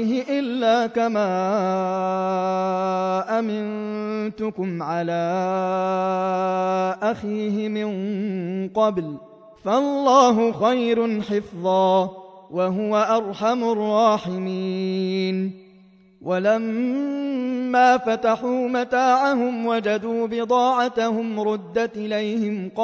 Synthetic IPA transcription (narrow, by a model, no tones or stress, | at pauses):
ɦɪʔɪlːaːkamaː | ʔamɪn | t̪ʊkʊmʕalaː | ʔaxiːɦɪmɪɴŋqɑbl | falːɑːɦʊxɑjɾʊnħɪfðˤɑːwaɦʊwaʔɑɾˤħamʊrˤːɑːħɪmiː | n | wʔalam | aːfat̪aħuːmat̪aːʕaɦʊmwad͡ʒad̪uːbɪd̪ˤɑːʕat̪ahʊmɾʊd̪ːat̪ʔɪlajhɪmqɑ